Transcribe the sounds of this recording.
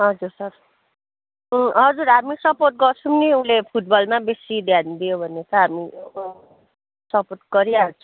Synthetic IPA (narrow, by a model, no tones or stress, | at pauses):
ɦʌd͡zursʌr | ɦʌd͡zuɾɦamisʌporʈ̪̚ɡʌrt͡sʰumniulepʰuʈ̚bʌlmabesid̪jand̪ijobʱʌnet̪ʌɦami | sʌpot̪̚ɡʌɾialt͡sʰu